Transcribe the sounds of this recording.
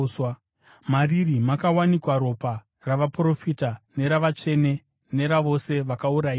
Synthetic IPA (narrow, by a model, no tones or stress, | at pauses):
maririmakawanikwaɾo̞pa | raʋapro̞fitane̞ɾaʋat͡ʂe̞ne̞ | ne̞ɾaʋo̞se̞ʋakauɾaiːa